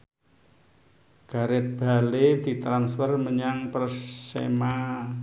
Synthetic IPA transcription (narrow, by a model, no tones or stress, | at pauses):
ɡ̥a̤ɾɪt̪̚b̥a̤led̪̥i̤t̪ɾansfərməɲaŋpərsḛma